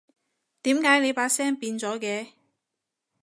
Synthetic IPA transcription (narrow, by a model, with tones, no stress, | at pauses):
t̪iː˨˥mkaː˨˥jne˨˧jpaː˨˥sɛː˥ŋpiː˧nt͡sɔː˨˥kɛː˨˧